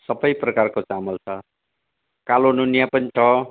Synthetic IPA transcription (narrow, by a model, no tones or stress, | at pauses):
sʌbʌjprʌkarkot͡samʌlt͡sʰʌ | kalononjapʌnit͡sʰʌ